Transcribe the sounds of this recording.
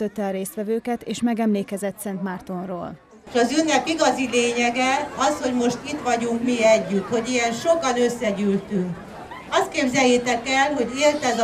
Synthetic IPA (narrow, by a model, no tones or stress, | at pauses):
øt̪ːɛːɾeːst̪ʋɛvøːkɛt̪eːʃmɛɡɛmleːkɛzɛt̪sɛnt̪mart̪onro̰ːl | ʃɒzynːɛpiɡɒzileːɲɛɡɛɒsho̞ɟmo̞ʃt̪it̪ʋɒɟuŋkmiɛɟːyt̪ho̞ɟijɛnʃokɒnø̞sːɛɟylt̪yŋk | ɒst̪̚keːbzɛjːeːt̪ɛkɛlɦo̞ɟeːlt̪ɛd̪